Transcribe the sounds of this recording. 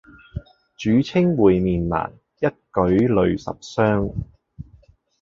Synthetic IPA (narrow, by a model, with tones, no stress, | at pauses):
t͡ʃyː˨˥t͡sʰɪ˥ŋwuː˨jmiː˨nla̰ː˨˩n | jɐ˥t̚kɵ˨˥ɥlɵ˨˧ɥsɐ̰˨p̚sœː˥ŋ